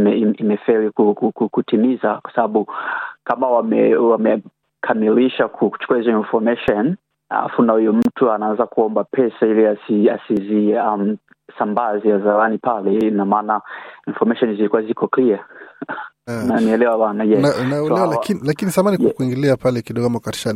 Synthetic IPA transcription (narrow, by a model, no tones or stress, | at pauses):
mɛiimɛfɛɾikukukukutimizakwḁsaɓaɓukamawamɛwamɛ | kʰamiliʃakʰuku̥t͡ʃu̥kuahizɔinfɔmɛʃɔn | a̰la̰funahijɔm̩tʰuanaanzakuɔmbapʰɛsailiasiasiziam̩ | sambazɛjazaɾanipalɛinamanainfɔɾmɛʃɔnzilikuwazikɔklia | naniɛlɛwawanaʄɛnanalɛwalakinlakinisamaniɛkuiŋɡiliapalɛkiɗɔɡɔamakati̥ʃan